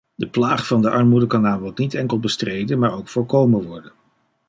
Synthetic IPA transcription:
dəplaːχfɑndəʔɑɹmudəkɑnaːmbɔltnitɛŋkəlˠbəstrejdənmaːɹowkfʊːɹkowməʋɔɹdən

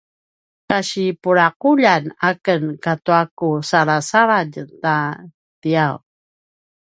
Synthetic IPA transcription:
kaɕipuɾaquʎanakənkatuakusaɾasaɾaɟta | tiaw

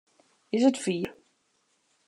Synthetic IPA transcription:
ɪsətfiːr

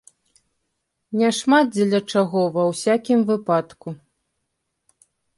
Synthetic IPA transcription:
nʲɛʂmad̪̚d͡zʲɛlʲɐt͡ʂaɣɔvɐwsʲakʲimvɨpat̪ku

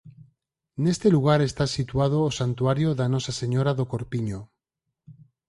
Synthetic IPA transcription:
nest̪eluɣ̞aɾest̪asit̪wað̞oːsant̪uaɾjoðanosaseɲoɾaðokoɾpiɲo

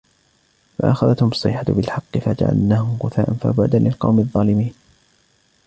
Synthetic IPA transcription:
fa̰ʔaxaðat̪hʊmɑsˤːɨ̰ħat̪bɪlħɑqːɨfad͡ʒa̰ʕa̰lnaːhʊmqʊθaːʔanfa̰bʊʕd̪anlɪlqɑ̰wmɪðˤːɑːlɪmiːn

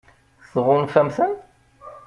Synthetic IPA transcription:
θʁʊnfæmθən

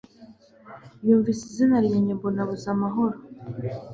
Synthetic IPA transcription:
βjuːɱvisizinaɾɲaɲebonaβuzamaɦɔɾɔ

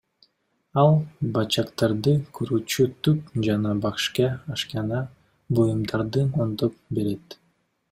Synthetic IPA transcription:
ɑlˠbɑt͡ʃɑqt̪ɑɾd̪ɯkʰyɾyːt͡ʃyt̪yp̚d͡ʒɑnɑbɑqʃkɑːʃkɑnɑ | bojumd̪ɑɾd̪ɯnond̪op̚be̞ɾe̞t̪

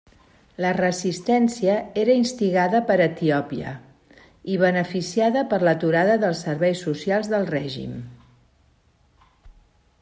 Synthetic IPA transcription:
lərəzist̪ɛnsiəeɾəinst̪iɣaðəpəɾət̪iɔpiə̰ | iβ̞ənəfisiaðəpəɾlət̪uɾaðəðəlˠsːəɾβɛjsːusialˠzðəlˠrɛʒḭm

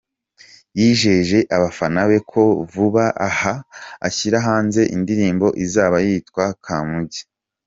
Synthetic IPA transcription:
jiːʒe̞ʒe̞ʔaβafanaβe̞kʰo̞vuβaʔahaa̰çiɾaɦaːnze̞ʔindiɾiːmbo̞ʔizaːβajiːtkwakʰaːmuɟi̥

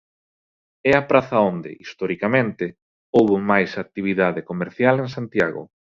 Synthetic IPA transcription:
ɛapɾaθaond̪ɪ̰ʔist̪ɔɾikamẽnt̪ɪ | owβomajsak̚t̪iβ̞iðaðekomeɾθjaleŋsant̪ja̰ɣo̰

